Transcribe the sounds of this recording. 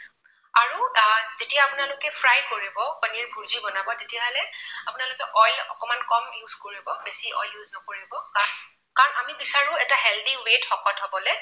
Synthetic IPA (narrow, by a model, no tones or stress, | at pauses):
aɹuzetiaːpʊnalʊkɛpʰɹajkoɹibɔpəniɹbʱuɹzibɔnabɔtetijaɦɔlɛapʊnalʊkɛʔɔjlɔ̰kɔmankɔmjuzkoɹibɔbesiʔɔ̰jljuznɔkoɹibɔ | kaɹɔnamibisaɹʊ̃ɛtaɦɛldiwetxɔkɔtɦɔbɔlɛ